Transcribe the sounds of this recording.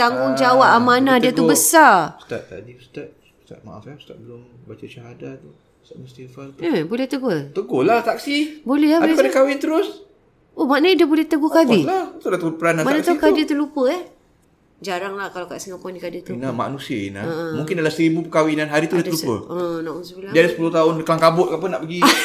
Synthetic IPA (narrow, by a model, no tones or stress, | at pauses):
t̪aŋɡʊŋd͡ʒawaʔamanadiət̪ubəsast̪a̰ʔ̚t̪a̰ʔdist̪aʔ̚ | st̪a̰ʔ̚ma̰ʔa̰fapst̪a̰ʔ̚bəlʊm | bat͡ʃat͡ʃaɦadat̪u | st̪aʔnəst̪ifaləbolɛht̪əɡot̪əɡolaht̪aksibolɛɦabalpadakawit̪əɾʊs | omanədəbolɛht̪əɡokadilaht̪udat̪əpəɾanatmaanast̪ikadət̪ulupəɛh | d͡ʒaɾaŋlahkalaka̰ʔsiŋaknikadit̪uinama̰ʔnusiəḭnamuŋkɪndalahsəɾibupəkawidanɦaɾit̪udiat̪əlupə̰ənaʔunsuladiadasə̥pulʊt̪aʊnkəlaŋkabʊt̪̚kaʔpənaʔpəɡi